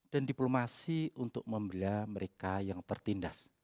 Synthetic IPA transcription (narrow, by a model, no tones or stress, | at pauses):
d̥andiplomasiunt̪ʊk̚məmbilaməɾekajaŋt̪ərt̪indas